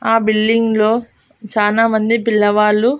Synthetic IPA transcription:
aːbilːiŋɡloː | t͡ʃaːlaːmɐnd̪ipilːɐʋaːɭːu

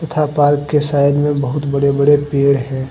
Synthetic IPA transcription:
t̪ɐt̪ʰapaːɾkːesaːɪnmẽbɐɦʊt̪bɐɽebɐɽepeːɽɦɛ̃ː

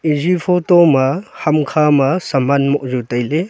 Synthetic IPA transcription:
izipʰɔtɔmahɐmkʰamasɐmanmɔʔzutajle

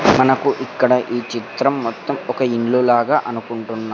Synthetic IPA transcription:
mɐnɐkuʔikːɐɽɐʔiːt͡ʃit̪ɾɐmːɔt̪ːɐmɔkɐiɳluːlaːɡaːʔɐnukuɳʈunːaː

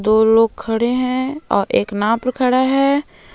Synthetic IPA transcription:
d̪oːloːɡ̚kʰɐɽeɦɛ̃ɔ̰ːɾeːknãːpɾəkʰɐɽaɦɛː

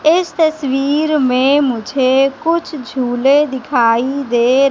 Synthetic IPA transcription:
ɪst̪əswiːɾmẽmʊd͡ʒʱekʊt͡ʃʰd͡ʒʱuːled̪ɪkʰaːid̪eːɾ

